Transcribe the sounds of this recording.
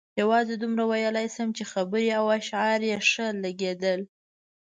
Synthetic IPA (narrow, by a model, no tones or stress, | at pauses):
jawɑzed̪umɾawajəlajsəmt͡ʃexabəɾiawaʃʕɑɾjeʂəlaɡed̪əl